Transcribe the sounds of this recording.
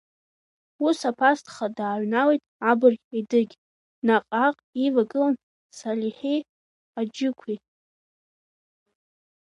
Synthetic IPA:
usapʰastʰʼχadaːɥʷnawejtʼabɨrʲidɨɡʲ | naqʼaqʼivaɡɨlan | saliħej | ad͡ʒɪkʷʰi

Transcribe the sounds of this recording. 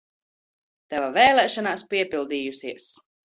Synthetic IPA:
t̪ɛvavɛːlˠɛːʃɔnaːspʲiɛpilˠd̪iːjusiɛs

